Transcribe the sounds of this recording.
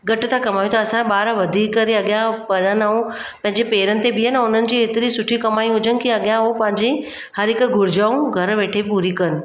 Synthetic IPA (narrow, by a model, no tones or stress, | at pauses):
ɡɐʈɪ̆t̪ʰakɐmaːjũt̪ɐɐsãɓaːɾʋɐd̪ʱiːkːɐɾeɐɠjãpɐɾənaːũ | pɐ̃ɦɪ̃ɲd͡ʑepeːɾənɪ̆t̪ebɪanʊn̤ənɪ̆d͡ʑiːet̪ɪɾisʊʈʰikɐmaːĩɦʊd͡ʑənɪ̆kiɐɠjãɦopɐ̃ɦɪ̃ɲd͡ʑe | hɐɾɪkɡʱʊɾɪd͡ʑaːũɡʱɐɾʋeːʈʰepuːɾikɐɾənɪ̆